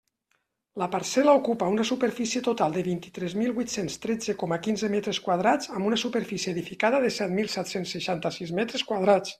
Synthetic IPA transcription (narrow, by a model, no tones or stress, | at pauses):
ləpaɾsɛləukupaunəsupəɾfisiət̪ut̪alˠd̪əβint̪it̪ɾɛzmilˠβujt̪senst̪ɾɛd͡zəkɔməkinzəmɛt̪ɾəskwaðɾad͡zəmbunəsupəɾfisiəeðifikaðəðəsɛt̪milˠsɛt̪sensːəʃant̪əsizmɛt̪ɾəskwaðɾat͡s